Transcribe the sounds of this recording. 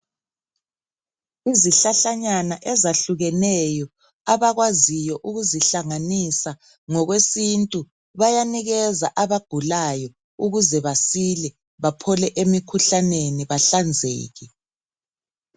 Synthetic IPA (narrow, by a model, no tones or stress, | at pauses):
iziɬaɬaɲanaʔɛzaɬuɣɛnɛjɔ | aβaɣwazijɔʔuɣuziɬaŋanisa | ŋɔɣwesintʼu | βajaniɣɛzaʔaβaɡ̥ʱulajɔ | uɣuzɛβasilɛ | βapʰɔlɛʔemikʰuɬaneniβaɬand͡zʱḛːɣi